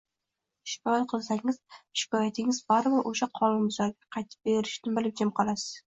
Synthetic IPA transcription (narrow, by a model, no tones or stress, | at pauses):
ʃɪ̥kʰɒjat̪̚qʰɨlˠsaŋɪz̥ʃɪ̥kɒjat̪ʰɪŋɪzbaɾɪbɪɾoʃaqʰɒlˠɪmʊzaɾɡʲaqʰɑjt̪ʰɪ̥p̚beɾɪʃnɪbɪlɪp̚d͡ʒɪmqʰɒlˠasɪ̥z̥